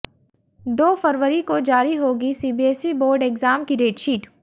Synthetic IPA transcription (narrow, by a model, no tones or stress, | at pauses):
d̪oːfəɾʋəɾikod͡ʒaːɾiɦoːɡisiːbieːsiboːɾɖekzaːmkiɖeːʈʃiːʈ